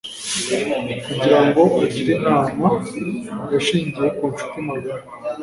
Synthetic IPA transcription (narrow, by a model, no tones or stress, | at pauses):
kuɟiɾaŋɡo̞ʔaɟiɾiʔama | ɡaʃiːɲɟije̞kuʃu̥timaɡaɾ